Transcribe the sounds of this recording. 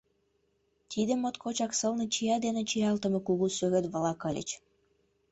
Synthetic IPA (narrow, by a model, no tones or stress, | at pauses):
t̪ʰid̪ə̆mot̪kʰot͡ɕɑksɤlnɤ̆t͡ɕijɑd̪enet͡ɕijɑlt̪ə̆mɤ̆kuɣusøɣĕt̪βə̆lɑkɤlʲə̰t͡ɕ